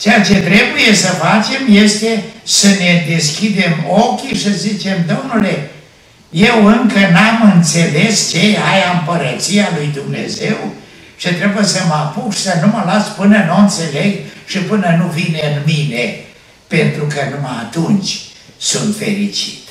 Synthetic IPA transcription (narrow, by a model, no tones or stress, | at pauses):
t͡ʃejat͡ʃe̞t̪ɾe̞buje̞səfat͡ʃe̞mje̞st̪e̞səne̞d̪e̞skʲid̪e̞mo̞kʲiʃəzit͡ʃe̞md̪o̞mnule̞ | je̞wɨŋkənamɨnt̪se̞le̞st͡ʃe̞ajampəɾət̪sialujd̪umne̞̰ze̞w | ʃit̪ɾe̞bujesəmapukʃi̥sənuməlaspɨnənoɨnt̪se̞le̞ɡʃipɨnənuvineɨnmine | pe̞nt̪ɾukənmaaːt̪unt͡ʃʲsunt̪fe̞̰ɾit͡ʃi̥t̪